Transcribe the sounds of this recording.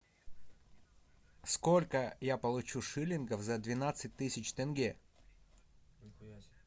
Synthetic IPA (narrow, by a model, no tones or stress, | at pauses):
skolʲkəjapəlˠʊt͡ɕuʂɨlʲɪnɡəfzɐd̪vʲɪnat̪sɨt̚ʲt̪ɨsʲɪt͡ɕt̪ɛnɡʲe